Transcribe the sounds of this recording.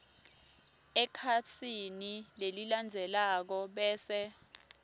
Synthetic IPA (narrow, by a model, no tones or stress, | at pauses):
ɛkʰasʰinileliland͡zʱɛlak̬ɔɓɛːsɛ